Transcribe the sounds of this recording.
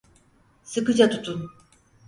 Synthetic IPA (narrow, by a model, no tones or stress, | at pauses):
sɯkɯd͡ʒat̪ʰut̪ʰun